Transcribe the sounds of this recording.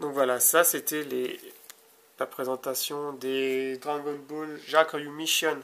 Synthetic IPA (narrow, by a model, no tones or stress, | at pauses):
d̪ɔ̃kvwalasaset̪ɛlḛ | lapχezɑ̃t̪asjɔ̃d̪ed̪ʁaɡɔnbolʒakjumiʃjɔn